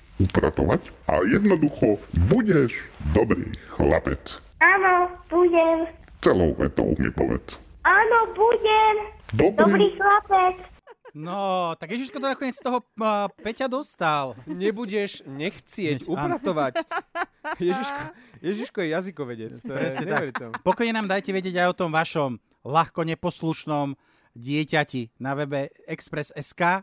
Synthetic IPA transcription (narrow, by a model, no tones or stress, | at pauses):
upɾa̰t̪ɔʋacʔa̰jɛd̪nɔd̪uxɔbuɟɛʒd̪ɔbɾḭːxla̰pɛt͡s | aːnɔb̥uɟɛm | t͡sɛlɔʊʋɛ̰t̪ɔ̰ʊmɛ̰pɔ̰ʋɛ̰t͡saːnɔbuɟɛmd̪ɔbd̪ɔibɾiːxlapɛt͡s | nɔt̪aɡjɛʒiʃkɔt̪ɔnakɔɲɪɛt͡sst̪ɔɦɔpɛcad̪ɔst̪alɲɛbuɟɛʒɲɛxt͡sɪɛcupɾat̪ɔʋac | jɛʒiʃkɔjɛʒiʃkɔjɛjazikɔʋɛɟɛt͡sɾɛsɲɛt̪aɾiɛpɔkɔjɲɛnaːmd̪ajcɛʋɛɟɪɛɟajɔt̪ɔmʋaʃɔm | laxkɔɲɛpɔsluʃnɔm | ɟɪɛcacinaʋɛbɛ | ɛkspɾɛsɛskaː